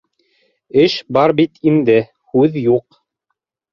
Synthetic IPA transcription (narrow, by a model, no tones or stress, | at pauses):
ɘʃbɑɾbit̪ind̪ɘ | hʉðjuq